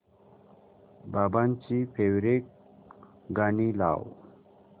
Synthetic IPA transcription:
babant͡ɕipʰewɾek̚ | ɡanila̰ːw

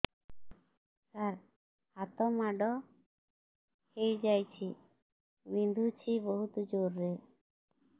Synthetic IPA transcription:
saɾ | hat̪ɔmaɖɔ | hejd͡ʒajt͡ʃʰi | bind̪ʱut͡ʃʰibɔɦut̪d͡ʒoɾːe

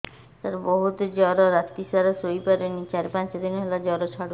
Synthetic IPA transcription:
t̪aɾboɦut̪ed͡ʑɔɾɔɾat̪ːisaɾasojpaɾenit͡ɕaɾipant͡ʃad̪inɦelad͡ʑɔɾɔt͡ʃʰaɽ

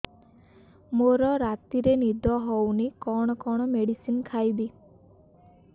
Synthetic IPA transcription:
moɾɔɾat̪iɾenid̪ʱɔɦownikɔɽ̃ɔkɔɽ̃ɔmeɽisinkʰajbi

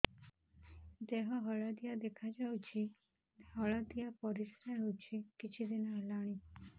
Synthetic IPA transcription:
d͡ʒeɦɔ̃ɦɔɭad̪ijad̪ekʰad͡ʒawt͡ʃʰi | ɦɔɭad̪ijapɔɾisɾaɦot͡ʃʰikit͡ʃʰid̪inɔɦlaɽ̃i

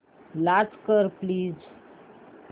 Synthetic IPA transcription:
lat͡skəɾpliːz

